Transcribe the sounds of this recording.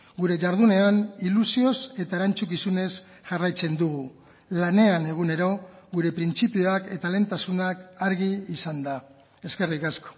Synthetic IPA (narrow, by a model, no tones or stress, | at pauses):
ɡuɾe̞ʝaɾðune̞anilusio̞se̞t̪aeɾant͡sukisune̞s | ʝarajt͡se̞nd̪uɣ̞u | lane̞ane̞ɣ̞une̞ɾo̞ɣuɾe̞pɾint͡sipioake̞t̪ale̞nt̪asunakaɾɣiːsand̪a | e̞ske̞rikasko̥